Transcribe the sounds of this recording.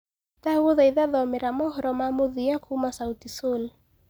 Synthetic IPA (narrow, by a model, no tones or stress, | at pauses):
tauɔðaiðaðɔmeɾamɔɦɔɾɔmamoðiakumasautisol